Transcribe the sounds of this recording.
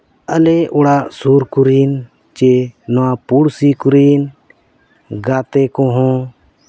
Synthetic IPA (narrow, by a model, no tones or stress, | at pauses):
əleʔʊɽaʔsuɾkuɾin | t͡ʃenɔwapuɽsikuɾin | ɡaːt̪ekɔ̃ɦɔ̃